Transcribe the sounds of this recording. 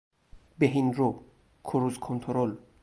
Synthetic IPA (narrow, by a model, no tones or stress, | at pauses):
beɦinɾo | kʰoɾuzkʰont̪ʰoɾol